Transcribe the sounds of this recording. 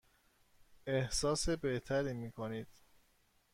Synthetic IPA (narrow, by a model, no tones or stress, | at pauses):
ehsɒːse̞be̞ht̪ʰæɾiːmiːkʰoniːd̪̥̚